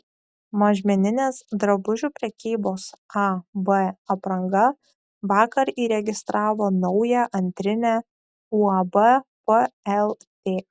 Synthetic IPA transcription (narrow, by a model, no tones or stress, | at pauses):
mɐʒʲmʲɛnʲɪnʲeːsd̪ɾɐbʊʒʲuːpʲɾʲɛkʲiːboːsɑbəɐpɾɐŋɡɐ | ʋɑːkɐɾiːɾʲɛɡʲɪst̪ɾʔɑːʋoːnɒʊjɛʔɐnʲt̪ʲɾʲɪnʲæ | uɐbɐpəɛlˠ | t̪ʲeː